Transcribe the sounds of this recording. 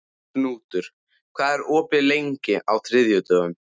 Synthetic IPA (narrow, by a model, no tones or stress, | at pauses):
nuːt̪ʏɾ̥ | kʰvaːðɛɾɔːpɪlejɲcɪʔawθʰɾɪðjʏt̪œːɣʏm